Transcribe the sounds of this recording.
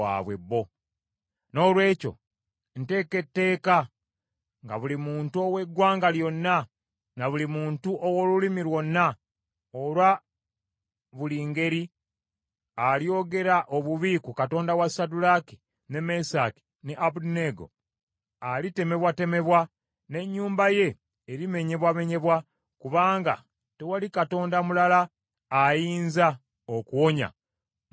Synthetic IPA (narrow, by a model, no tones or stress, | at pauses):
a̰βwe̞bːo̞ | no̞ːlwe̞ːco̞̰ | n̩te̞ːke̞tːe̞ːka | ŋɡaβulimuːntuo̞we̞ɡwaːŋɡaljo̞nːa | naβulimuːntuʔowo̞lulimilwo̞nːa | olwa | βuliːŋɡe̞ɾi | alijo̞ːɡe̞ɾaʔo̞βuβiːkukato̞ːndawasadulaki̥ | ne̞me̞sa̰ki̥ | ne̞ʔabudne̞ɡo̞̰ | alite̞me̞βwate̞me̞βwa | ne̞ɲːuːmbaje̞ː | ɾime̞ɲe̞βwaβe̞ɲe̞βwa | kuβaːŋɡa̰ | te̞walikato̞ːndamulalaː | jiːnza | okuwo̞ɲa̰